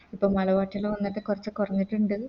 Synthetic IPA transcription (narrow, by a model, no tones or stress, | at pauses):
ipːoːlmɐlɐʋaːʈːilonːɐt̪ːekurɐt͡ɕːɨkurɐnːiʈːuɳɖɨ